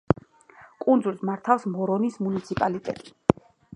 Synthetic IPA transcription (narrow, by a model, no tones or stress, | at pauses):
kʼund̪zulsmaɾt̪ʰafsmɔɾɔnismunit̪sʰipʼalit̪ʼɛ̰t̪ʼi̥